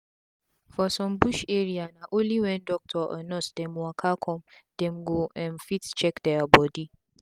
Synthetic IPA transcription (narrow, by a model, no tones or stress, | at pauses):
fɔsɔ̃mbuʃeɹianaʔoliwɛ̃ndɔk̚tʰɔʔɔ̰nɔsd̥ɛ̃mwakʰakʰɔ̃md̥ɛ̃mɡoʔɛ̃nfitt͡ʃɛkdɛabɔdi